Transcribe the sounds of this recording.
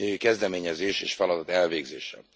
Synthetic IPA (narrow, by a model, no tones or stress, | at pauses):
økɛzd̪ɛmeːɲɛzeːʃeːʃfɒlɒd̪ɒt̪ɛlveːɡzḛːʃɛ̰